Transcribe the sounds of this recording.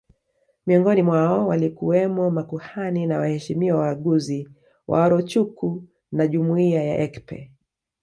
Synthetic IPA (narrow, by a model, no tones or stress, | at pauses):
miɔŋɡɔnimwaɔwalikuwɛmɔmakuhaninawahɛʃimiɔwaaɠuzi | wʔa̰ɔɾɔt͡ʃuku | naʄumuiaja̰ʔɛkpɛ̰